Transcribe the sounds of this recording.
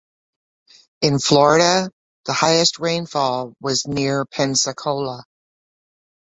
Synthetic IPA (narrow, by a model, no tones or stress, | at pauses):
ɨ̃nflɔɹɨɾə | ðəhaɪɨst̚ɹẽɪ̃nfɔlˠwʌznɪɹpʰɛ̃nsɨkʰoʊlˠə